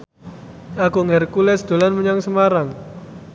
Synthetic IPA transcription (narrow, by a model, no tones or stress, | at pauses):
akuŋɛrkulɛsd̪̥o̤lanməɲaŋsəmaɾaŋ